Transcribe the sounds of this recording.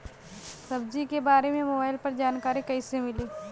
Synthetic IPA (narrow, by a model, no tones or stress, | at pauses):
sɐbd͡ʒikebaːɾemẽmoːbaːɪlpɐɾd͡ʒaːnkaːɾikɐɪsemɪliː